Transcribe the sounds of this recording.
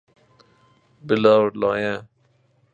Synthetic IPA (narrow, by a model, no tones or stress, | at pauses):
bɪlaːɾlaːjɛ̃ː